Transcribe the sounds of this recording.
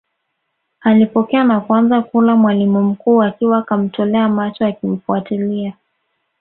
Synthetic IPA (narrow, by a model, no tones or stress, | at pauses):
alipɔkɛanakwanzakulamwalimum̩kuːakiwakam̩tɔlɛamat͡ʃɔakim̩fuatilia